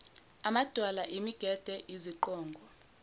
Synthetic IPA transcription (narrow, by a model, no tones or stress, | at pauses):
amad̥ʱwalaʔimiɡ̥ʱɛd̥ʱɛʔiziǃɔːŋɡʱɔ